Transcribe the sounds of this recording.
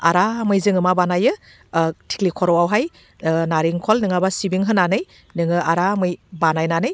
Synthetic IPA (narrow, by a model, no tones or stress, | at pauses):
a̰ɾamɯjzɯŋɯmabanajɯ | tʰi̥klikʰɔɾɔwawɦaj | naɾiŋkʰɔlnɯŋabasibiŋɦɯnanɯj | nɯŋɯaɾamɯjbanajnanɯj